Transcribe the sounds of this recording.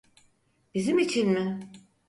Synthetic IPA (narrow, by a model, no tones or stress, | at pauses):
bizimit͡ʃʰinmɪ